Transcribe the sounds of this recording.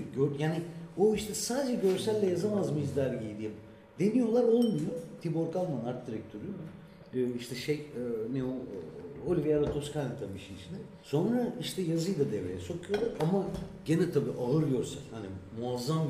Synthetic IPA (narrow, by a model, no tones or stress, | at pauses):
ɟøɾjaːnioiʃt̪ʰɛsaːd̪ed͡ʒɛɟø̞ɾsælʲːɛjazamazmiʒd̪ʲaɾɟijd̪ʲijɛm | d̪e̞nijo̞lˠaɾo̞lˠmujot̪ʰibo̞ɾkalˠmanaɾt̪̚d̪iɾɛc̚t̪ʰøɾym | ɯːiʃt̪ʰɛʃejɯneoolʲivejaɾat̪ʰo̞skʰanat̪ʰamiʃiit͡ʃʰinɛ | so̞nɾaiʃt̪ʰɛjazɯjd̪ad̪evɾḛjɛso̞kʰujod̪ˠaamaɟenɛt̪ʰabiːʔaɦɯɾjo̞ɾsa̰khanḭmuazːam